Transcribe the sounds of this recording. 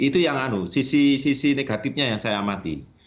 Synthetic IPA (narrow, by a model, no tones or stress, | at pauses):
it̪ujaŋanusisisisineɡ̥a̤t̪ɪp̚ɲajaŋsajamat̪ḭ